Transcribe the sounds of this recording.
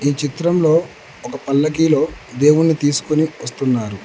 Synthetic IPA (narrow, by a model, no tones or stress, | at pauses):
iːt͡ʃit̪ɾɐmlo̞ː | ɔkɐpɐlːɐkiːlo̞ːd̪e̞ːwunːit̪iːsu̥koniʋɐst̪unːaːɾu